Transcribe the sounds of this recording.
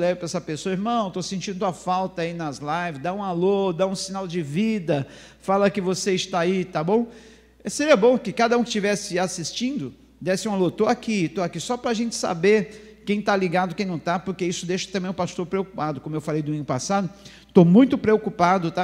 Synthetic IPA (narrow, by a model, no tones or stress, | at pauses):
lɛvɪpɾɛsɐpesoɐiɾmɐ̃w̃t̪osẽnt͡ʃĩd̪ʊɐfawt̪ɐainɐzlajvɪzd̪aũalod̪aũsĩnawd͡ʒɪvid̪ɐ | falɐkɪvoseɪst̪aait̪abõw̃ | ɛseɾiɐbõkɪkad̪ɐũkɪst͡ʃivɛsɪasist͡ʃĩnd̪ʊ | d̪ɛsɪũalot̪oakit̪oakisɔpɾɐaʒẽnt͡ʃɪ̥sa̰beɾ | kẽj̃t̪aliɡad̪ʊkẽj̃nɐ̃w̃t̪apʊɾkeisʊd̪eʃɐt̪ɐ̃mbẽj̃ʊpast̪oɾpɾeokupad̪ʊkõmʊewfalejd̪ʊmĩŋɡʊpasad̪ʊ | t̪omũj̃t̪ʊpɾeokupad̪ʊt̪a